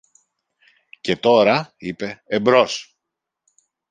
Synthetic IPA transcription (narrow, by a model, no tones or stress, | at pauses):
ce̞t̪o̞ɾɐipe̞ːmbɾo̞s